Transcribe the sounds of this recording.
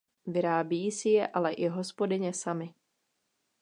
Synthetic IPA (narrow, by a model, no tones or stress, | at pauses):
vɪɾaːbijisɪjɛʔalɛʔɪɦo̞spo̞dɪɲɛsamɪ